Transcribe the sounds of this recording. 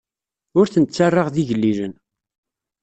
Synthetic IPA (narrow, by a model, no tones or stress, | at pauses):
ʊɾθənt͡sːarˤːɑʁðiʝəlːilən